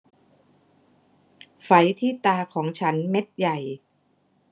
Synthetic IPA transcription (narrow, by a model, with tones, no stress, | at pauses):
fa˩˦jt̪ʰiː˥˩t̪aː˧kʰɔː˩˦ŋt͡ɕʰa˦˥nme˦˥t̪̚ja˨˩j